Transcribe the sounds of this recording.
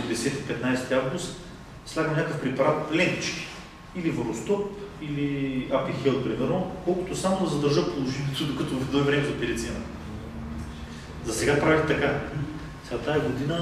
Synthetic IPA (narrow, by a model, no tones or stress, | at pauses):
d̪ɛsɛt̪ipɛt̪najst̪iavɡust̪ | slʲaɡəmnʲakəfpɾɛpɐɾat̪lɛnt̪it͡ʃki̥ | ilivəɾost̪ɔpiliapixɛlˠt̪̚pɾimɛɾnokɔlˠkʊt̪osamod̪ɐzɐd̪əɾʒɤpolˠoʒinʲit̪od̪okət̪ovɐfd̪ɔivɾɛmɛzɐpiɾɛt̪sɛnɐ | zɐsɛɡapɾavixt̪ɐka | sɛɡat̪aɛɡod̪inə